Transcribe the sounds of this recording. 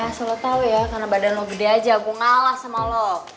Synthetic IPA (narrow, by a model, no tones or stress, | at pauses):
asəlot̪awujakarnabadanlɔɡədead͡ʒaɡuŋalahsamalɔ